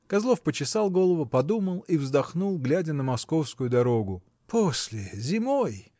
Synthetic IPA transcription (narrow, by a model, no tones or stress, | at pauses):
kɐzlˠo̞fpət͡ɕɪsɑlˠɡo̞lˠəvʊpɐd̪uməlˠivzd̪ɐxnulˠɡlʲædʲənəmɐsko̞fskʊjʊd̪ɐɾo̞ɡʊ | pʰosʲlʲɪzʲɪmoj